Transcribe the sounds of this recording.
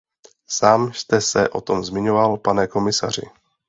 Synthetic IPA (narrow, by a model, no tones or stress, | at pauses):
saːmst̪ɛsɛ̰ʔo̞t̪o̞mzmɪɲo̞valpanɛko̞mɪsa̰r̝ɪ̰